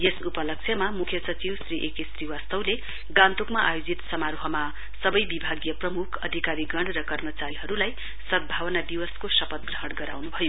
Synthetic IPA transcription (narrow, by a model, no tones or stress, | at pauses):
jesupʌlʌk̚t͡sʰjʌmamukʰjʌsʌt͡siwsriʔekisriwast̪ʌwle | ɡãnt̪okmaʔajod͡zit̪sʌmaɾuɦʌma | sʌbʌjbibʱaɡjʌprʌmukʰʌ̰d̪ʱikaɾiɡʌɳrʌkʌrmʌt͡saɾiɦʌɾulaj | sʌd̪̚bʱawʌnad̪iwʌskosʌpʌt̪̚ɡrʌɦʌɽɡʌɾa̰wnubʱʌjo